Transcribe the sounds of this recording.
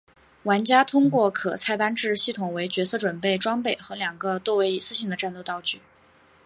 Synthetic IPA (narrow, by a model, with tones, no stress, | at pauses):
wa˧˥nt͡ɕja˥t̪ʰʊ˥ŋkwɔ˥˩kʰɤ̰˨˩t͡sʰa˥˩ɪt̪a˥nʈ͡ʂɻ̩˥˧ɕi˥˩t̪ʰʊ˨˩ŋwe˧˥ɪt͡ɕɥɛ˧˥sɤ˥˩ʈ͡ʂwə˨˩npe˥˩ɪʈ͡ʂwɑ˥ŋpe˥˩ɪxɤ˧˥ljɑ˨˩ŋɡə˧t̪wɔ˥˩we˧˥ɪi˨˩sɹ̩˥ɕi˧˥ŋd̪ə˧ʈ͡ʂa˥˩˧nt̪o˥˧t̪ɑ˥˧ʊt͡ɕy˥˩